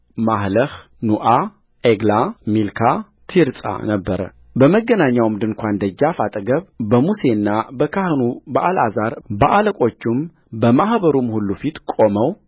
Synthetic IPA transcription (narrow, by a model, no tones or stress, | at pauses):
mahləh | nuʔa | ʔeɡlamilkʰa | t̪ʰiɾsʼa̰nəbːəɾə̰ | bəməɡːənaɲːawmd̪ɨŋkʷʰand̪əd͡ʒːafat̪ʼəɡəβbəmuse̞nːabəkʰahɨnubaʔalazaɾbəʔaləkʼo̞t͡ʃːum | bəmahbəɾumhulːufit̪kʼo̞məw